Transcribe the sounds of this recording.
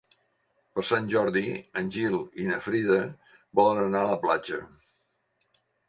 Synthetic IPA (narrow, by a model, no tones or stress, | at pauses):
pəɾsanʲʒɔɾðiənʲʒilˠinəfɾiðə | bɔlənənaləplad͡ʒə̰